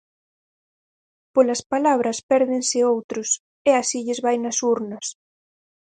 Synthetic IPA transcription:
polɐspalaβɾɐspɛɾðɪnsɪowt̪ɾʊs | easiʎɪzβajnɐsuɾnɐs

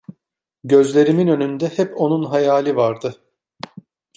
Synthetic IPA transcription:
ɟø̞zlʲe̞ɾiminø̞nynd̪ɛhɛpo̞nunɦajaːlʲivaɾd̪ɯ

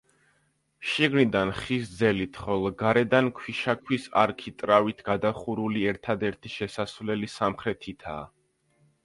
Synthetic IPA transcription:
ʃiɡnid̪anχis̬d̪zɛlit̪ʰχɔlˠɔɡaɾɛd̪ankʰwiʃakʰwisa̰ɾkʰit̪ʼɾavit̪ʰɡ̥ad̪aχuɾuliɛɾt̪ʰad̪ɛɾt̪ʰiʃɛsasvlɛlisamχɾɛt̪ʰit̪ʰa̰ː

